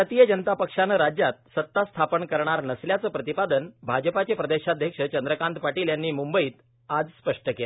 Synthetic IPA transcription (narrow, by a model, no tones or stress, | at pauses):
ət̪ijəd͡ʑənt̪apəkʂanəɾad͡ʑjat̪̚sət̪ːast̪ʰapəɳkəɾɳ̃aɾnəsljat͡səːpɾət̪ipad̪ənbʱad͡ʑəpat͡ɕepɾəd̪eɕad̪ʱjəkʂət͡ɕənd̪ɾəkãnt̪paʈiːljanːiːmumbəiːt̪ | ad͡zspəʂʈəkela